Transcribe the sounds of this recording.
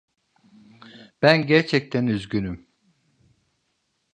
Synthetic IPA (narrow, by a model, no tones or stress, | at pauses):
b̥ænɟæɾt͡ʃʰɛc̚t̪ʰænyzɟynym